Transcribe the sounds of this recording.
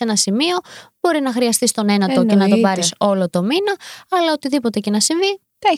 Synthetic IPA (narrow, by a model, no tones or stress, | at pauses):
enɐsimio̞b̥o̞ɾinɐxɾiɐst̪ist̪o̞ne̞nɐt̪o̞ce̞nɐt̪obɐɾiso̞lo̞t̪o̞minɐɐlɐot̪iðipo̞t̪ecenɐsiɱvi | t̪e